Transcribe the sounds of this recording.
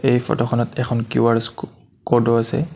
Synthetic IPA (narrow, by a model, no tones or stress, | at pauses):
ejfɔ̰tɔxʰɔnɔtɛkʰɔnkjuaɹs | kodɔasɛ̰